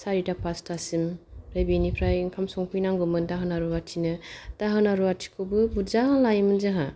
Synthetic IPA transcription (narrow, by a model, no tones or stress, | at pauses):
saɾitapastasimpʰɾajbenipʰɾajŋkʰamsɔŋpʰɯjnaŋɡɯmɯndaɦɯnaɾuwatʰinɯd̥aɦɯnaɾuatʰi̥kʰɯbɯbuzaɦalajmɯnzaɦa̰